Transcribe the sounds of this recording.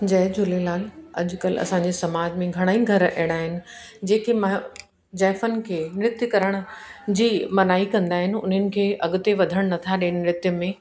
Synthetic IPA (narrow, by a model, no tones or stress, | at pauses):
d͡ʑɐɦd͡ʑʱʊlelaːlɐ̰ʄʊ̆kɐlɐ̰sãɲd͡ʑesɐmaːd͡ʑmẽɡʱɐɽ̃aːiɡʱɐɾɛ̰̃ːɽ̃aːɦɪnɪ̆d͡ʑeːkʰemɐ | d͡ʑɛːfənɪ̆kʰeːnɾɪt̪jəkɐɾəɽ̃ʊ̆d͡ʑiːmɐnaːikɐ̃nd̪aːɦɪnɪ̆ʊ̰n̤ənɪ̆kʰeːʔɐɠʊt̪eʋɐd̪ʱəɽ̃nɐt̪ʰaɗiːɽ̃ɪ̆mɾɪt̪jəmẽ